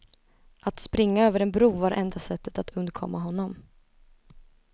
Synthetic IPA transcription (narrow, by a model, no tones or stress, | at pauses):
ʔat̪spɾɪŋːaøːvəɾɛnbɾuːvaɾʔɛnd̪asɛt̪ʰːə̥t̪at̪ʰɵnd̪əɾkʰɔ̰mːaɦɔnːɔm